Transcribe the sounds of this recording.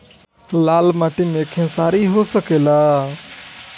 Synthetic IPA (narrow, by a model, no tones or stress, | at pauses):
laːlmaʈiːmẽkʰẽsaːɾiɦosəkeːlaː